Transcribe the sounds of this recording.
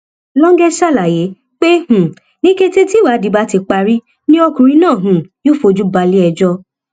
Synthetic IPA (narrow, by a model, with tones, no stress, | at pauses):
lɔ˦ŋ˦ɡɛ˦ʃa˦˨la˨je˨˦ | k͡pe˦hũ˨ | nĩ˦ke˧te˦ti˦wa˨˦di˨˧˦ba˧˦ti˧k͡pa˧ɾi˦ | nĩ˦ɔ˧kũ˨ɾĩ˨˦nãː˦˨ɦũ˨jo˦˨fo˧d͡ʒu˦ba˧li˦ɛ˧d͡ʒɔ˧